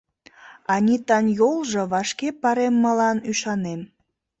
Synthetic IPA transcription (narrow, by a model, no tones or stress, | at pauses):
ɑnʲit̪ɑnjolʒɤ̆βɑʃkepɑɾemːəlɑnyʃɑnem